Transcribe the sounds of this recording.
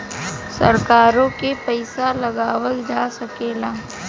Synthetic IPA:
sɐ̰ɾkaːɾõkepɛɪsalɐɡaːwəld͡ʒaːsɐkeːlaː

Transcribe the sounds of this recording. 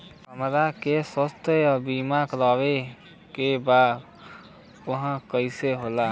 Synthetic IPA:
kəmɾakesəst̪ʰebimakɾaːwe | kebaːd̪ | ʊɦãkəɪseɦolaː

